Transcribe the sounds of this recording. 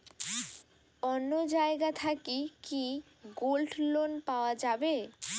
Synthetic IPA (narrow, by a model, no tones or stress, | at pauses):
ɔnːod͡ʑaeɡat̪ʰakiki | ɡolʈlonpaoad͡ʑabe